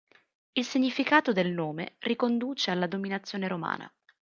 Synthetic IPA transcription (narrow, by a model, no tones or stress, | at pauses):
ilsiɲːifikaːt̪od̪elnoːmḛrikond̪uːt͡ʃealːad̪ominat̪sːjoːneɾoma̰ːnʔa̰